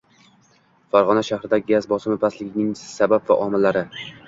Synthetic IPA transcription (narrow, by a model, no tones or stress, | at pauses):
faɾʁɒnaʃahɾɪd̪aɡʲazbɒsɪmɪpʰaslɪɡʲɪnɪŋsabapva̰ʔɒmɪlːaɾɪ